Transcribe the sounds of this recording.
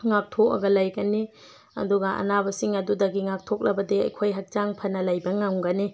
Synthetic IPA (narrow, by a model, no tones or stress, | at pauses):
ŋak̚tʰok̚ɐ̰ɡɐlajɡɐni | ɐ̰duɡɐʔɐ̰nabɐsiŋɐdudɐɡiŋak̚tʰok̚lɐbɐdiɐ̰jkʰojɦɐk̚t͡ʃaŋpʰɐnːɐlajbɐŋaŋɡɐni